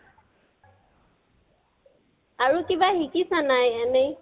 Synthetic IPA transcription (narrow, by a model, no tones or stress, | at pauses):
aɹukibahikisanajane